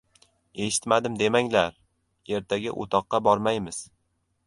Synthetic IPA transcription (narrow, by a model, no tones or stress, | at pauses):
e̞ʃɪ̥t̪mad̪ɪmd̪e̞maŋlaɾ | e̞ɾt̪ʰaɡʲa̰ʔo̰t̪ʰɒqːɑbɒɾmajmɪz̥